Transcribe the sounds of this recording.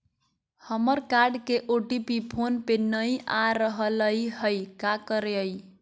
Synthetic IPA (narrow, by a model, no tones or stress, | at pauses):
həməɾkaɾɖkeʔoʈipipʰonpenəjʔaɾəɦələjɦəjkakəɾeəj